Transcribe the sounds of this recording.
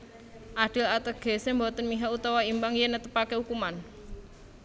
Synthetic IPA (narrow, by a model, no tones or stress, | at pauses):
ʔaɖ̥əlat̪əɡ̥e̤sembɔt̪ənmiɦaut̪awaimbaŋjenət̪əpakeukuman